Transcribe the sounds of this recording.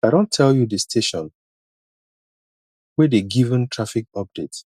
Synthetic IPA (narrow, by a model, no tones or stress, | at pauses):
aɪɾõntʰːɛljudistʰeʃɔ̃n | wɛdeɡivə̃ntʰɹafik̚ɔp̚d̥et